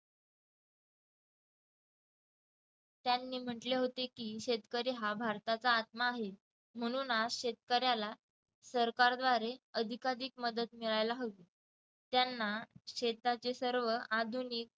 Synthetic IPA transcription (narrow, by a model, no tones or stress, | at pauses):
t̪janːiːm̤əʈleɦot̪ekiːɕet̪kəɾiɦabʱaɾt̪at͡saːt̪̚maːɦe | m̤əɽ̃uːnasɕet̪̚kəɾjala | səɾkaɾd̪ʋaɾeəd̪ʱikad̪ikməd̪ət̪miɭajlaɦot̪i | t̪janːaɕet̪at͡sesəɾʋəʔad̪ʱuniːk̚